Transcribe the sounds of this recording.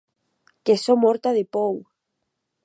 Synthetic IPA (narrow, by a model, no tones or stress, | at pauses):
kesomoɾt̪aðepoŋ